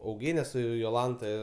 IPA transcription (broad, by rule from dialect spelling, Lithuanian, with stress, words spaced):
ɐʊˈɡʲeːnʲɛ ˈsʊ joːˈlˠɐntɐ